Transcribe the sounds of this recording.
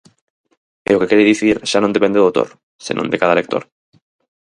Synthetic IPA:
eokekeɾeðiθiɾʃanõnd̪e̞pe̞nd̪eðowt̪o̰ɾ | sḭnond̪ekaðalek̚t̪oɾ

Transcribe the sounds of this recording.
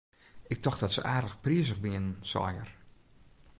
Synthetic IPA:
ɪk̚tɔxdɔtsə̰ʔaːdələxpriəsəxbɪɪənənsɔ̰jə̰r

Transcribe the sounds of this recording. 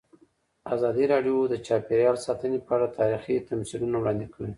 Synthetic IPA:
azɑd̪iɾɑɖjod̪ət͡ʃɑpeɾjɑlsɑt̪ənepəaɽat̪ʰɑɾixit̪amsilunawɽɑnd̪ikʰawi

